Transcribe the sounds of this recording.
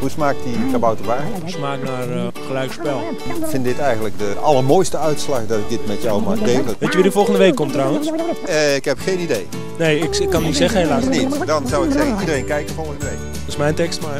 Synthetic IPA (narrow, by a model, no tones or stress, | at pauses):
ɦusmaːk̚tdiχəbawtəʋaːusmaːknar | χəlɛjkspɛlˠ | kfɪnddɪtɛjɣəndlək̚dəʔɑlˠəɹmojstəœɥtslaχdɑtɪk̚dɪtmɛtjɔwmaːk̚deːvələʋejtjəʋidəfɔlˠχəndəʋejkːɔmtrawənsəɪkɦɛpxejnidej | neːɪkɪkːɑnːitsɛχənhelaːsnitdɑnzawɪksɛxəidərejnkɛjkənfolˠxəndəʋejk | ɪsmɛjntɛkstmaː